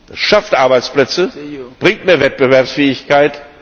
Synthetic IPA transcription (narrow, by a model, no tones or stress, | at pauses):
d̥asʃaftʔaɐbaɪt͡splɛt͡səb̥ʁɪŋtmeːɐvɛt̚b̥əvɛɐpsfɛːɪçkaɪt